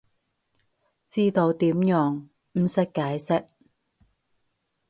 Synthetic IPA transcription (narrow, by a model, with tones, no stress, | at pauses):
t͡siː˥t̪o˧wt̪iː˨˥mjɔː˨˩ŋ | m̩˨˩sɪ˥kːaː˨˥jsɪ˥k̚